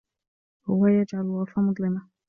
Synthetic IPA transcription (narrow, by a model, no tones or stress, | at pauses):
hʊwajad͡ʒʕalwɑfamʊd̪ˤlɪma